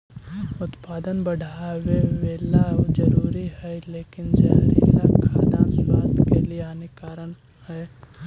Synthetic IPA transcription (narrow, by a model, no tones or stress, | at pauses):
ʊt̪paːd̪ənbəɽʱaweʋeːlad͡ʒɐɾuːɾiɦɛleːkɪnd͡ʒɐ̰ɦɾḭːɾakʰa̰ːd̪aːnswaːst̪ʰkelieaːnekaːɾəɳ | hɛː